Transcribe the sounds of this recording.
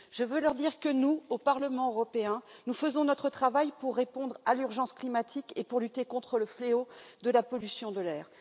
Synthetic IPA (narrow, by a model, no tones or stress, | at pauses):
ʒ̥əvølœʁd̪iʁkənuopaʁləmɑ̃øʁɔpeɛ̃nufəzɔ̃nɔt̪χət̪χavajpuʁːepɔ̃d̪ʁalyʁʒɑ̃sklimat̪ʰikepuʁlyt̪ekɔ̃t̪χələfleod̪əlapɔlysjɔ̃d̪əlɛːʁ